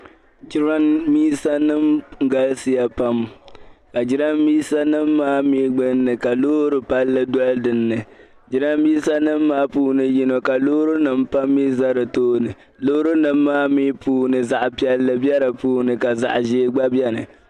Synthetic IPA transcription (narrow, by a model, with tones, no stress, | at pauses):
d͡ʒi˦ɾa˦nmiː˦sa˦nɨ˦m˦ɡa˦lsi˦ja˦pa˦mka˨d͡ʒɪ˦ɾa˦mmiː˦sa˦nɨ˦mːaː˦miː˦ɡ͡bɨ˦nːɨ˨ka˨lo˦ɾɨ˦pa˦lːɨ˦dɔ˦ldɨ˨nːɨ˨ | d͡ʒi˦ɾa˦mmiː˦sa˦nɨ˦mːaː˦puː˦nɨ˨ji˦no˨ka˨loː˦ɾu˦nɨ˦mpa˦mːi˦za˦ɾɨ˨toː˦nɨ˨ | lo˦ɾu˦nɨ˦mːaː˦mi˦puː˦nɨ˨za˨ʔpi˦ɛ˦lːɨ˦bi˦ɛ˦ɾɨ˨puː˦nɨ˨ka˨za̰˨ʔʒeː˦ɡ͡ba˦bjɛ˦nɨ˨